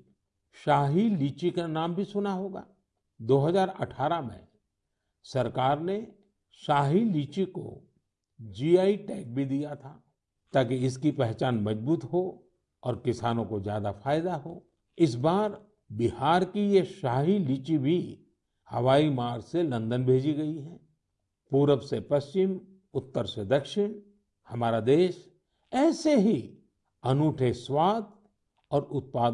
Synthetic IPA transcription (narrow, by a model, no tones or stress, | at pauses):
ʃaːɦiliːt͡ʃikanaːmbʱisʊnaɦoːɡa̰ː | d̪oːɦɐzaːɾɐ̰ʈʰaːɾamḛ̃ | sɐɾkaːɾne | ʃaːɦiliːt͡ʃiko̰ | d͡ʒiːaːiʈɛːk̚bʱid̪ijat̪ʰaː | t̪aːkiɪskipɛɦt͡ʃaːnmɐd͡ʒbuːt̪ɦo | ɔːɾkɪsaːnõkozjaːd̪afaːɪd̪aɦoː | ɪs̬baːɾ | bɪhaːɾkijeʃaːɦiliːt͡ʃibʱi | hɐʋaːimaːɾselɐ̃nd̪ənbʱeːd͡ʒiɡɐiɦɛ̃ː | puːɾəʋsepɐst͡ʃɪm | ʊt̪ːəɾsed̪ɐkʃɪɽ̃ | hɐmaːɾad̪eːʃ | ɛːseɦi | ɐnuːʈʰeswaːd̪̚ | ɔːɾʊt̪̚paːd̪